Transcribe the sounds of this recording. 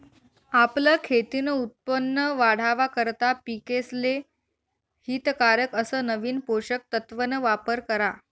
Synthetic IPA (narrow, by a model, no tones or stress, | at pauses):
apləkʰet̪inəut̪̚pənːəʋaɽ̤aʋakəɾt̪apikesle | hiːt̪kaɾəkəsəːnəʋiːnpoɕək̚t̪ət̪ʋənəʋapəɾkəɾa